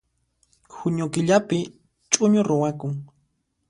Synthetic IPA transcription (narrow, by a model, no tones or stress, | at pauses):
xʊɲʊkɪʎapɪ | t͡ʃʼʊɲʊɾʊwakʊŋ